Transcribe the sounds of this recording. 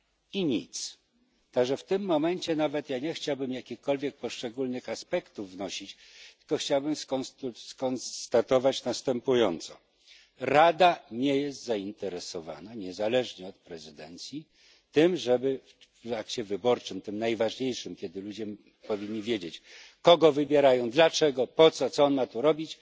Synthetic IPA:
iɲḭt̪s | t̪aɡʐɛft̪ɘmːɔmɛɲt͡ɕɛnavɛt̪jaɲɛxt͡ɕawbɘmjakʲixkɔlvʲjɛk̚pɔʂt͡ʂɛɡulnɘxaspɛkt̪uvːnɔɕit͡ɕ | t̪ɨ̥kɔxt͡ɕawbɘmskɔskɔnst̪at̪ɔvat͡ɕnast̪ɛmpujɔnt̪sɔ̰ | ɾad̪aɲejɛst̪zaint̪ɛɾɛsɔva̰naɲɛzalɛʐɲɛɔt̪̚pɾɛzɘd̪ɛnt̪sʲji | t̪ɘmʐɛbɘ | akt͡ɕɛvɘbɔɾt͡ʂɘmt̪ɘmnajvaʐɲejʂɘmkʲɛd̪ɘlud͡ʑɛ | pɔvʲiɲːivʲjed͡ʑet͡ɕkɔɡɔvɘbʲjeɾajɔ̃w̃d̪lat͡ʂɛɡɔpɔt̪sɔt̪sɔɔnmat̪uɾɔbʲit͡ɕ

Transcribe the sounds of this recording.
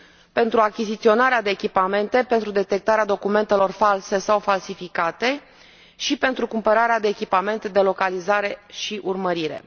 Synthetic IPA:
pe̞nt̪ɾuakʲizit̪sio̞naɾead̪e̞ːkʲipame̞nt̪e̞pe̞nt̪ɾud̪e̞t̪e̞k̚t̪aɾead̪o̞kume̞nt̪e̞lo̞rfalse̞sawfalsifikat̪e̞ | ʃipe̞nt̪ɾukumpəɾaɾead̪e̞ːkʲipame̞nt̪d̪e̞lo̞kalizaɾe̞ʃiʔurməɾiɾe̞̰

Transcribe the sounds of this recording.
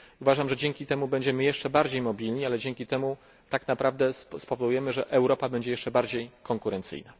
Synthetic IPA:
uvaʐamʐɛd͡ʑɛŋkʲit̪ɛmubɛɲd͡ʑɛmɘjɛʂt͡ʂɛbaɾd͡ʑejmɔbʲilɲialɛd͡ʑɛŋkʲit̪ɛmu | t̪aknapɾavd̪ɛspɔvɔd̪ujɛmɘʐɛʔɛwɾɔpabɛɲd͡ʑɛjɛʂt͡ʂɛbaɾd͡ʑejkɔŋkuɾɛnt̪sɘ̰jna

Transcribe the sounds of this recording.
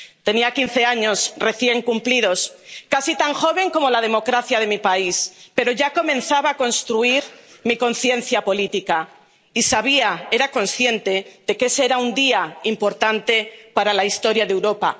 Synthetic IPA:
t̪e̞niakin̟θe̞aɲo̞sre̞θje̞ŋkumplið̞o̞skasit̪aŋxo̞β̞e̞ŋko̞mo̞lað̞e̞mo̞kɾaθjaðe̞mipaispe̞ɾo̞ʝako̞mẽ̞n̟θaβaːko̞nst̪ɾuiɾmiko̞nθje̞n̟θjapo̞lit̪ika | isaβ̞iae̞ɾako̞nsθje̞nt̪e̞ðe̞keseeɾaund̪iaimpo̞ɾt̪ant̪e̞paɾalaist̪o̞ɾjaðe̞wɾo̞pa̰

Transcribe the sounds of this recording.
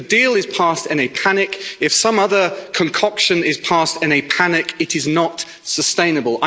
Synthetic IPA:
ədiːlˠɪz̥pʰɑˑstɪ̃nɨpʰanɪkɪfsʌ̃mʌðəkʰə̃nkʰɒkʃə̃nɪz̥pʰɑˑstɪ̃nɨpʰanɪkɪɾɪznət | səstẽɪ̃nəbəlˠa

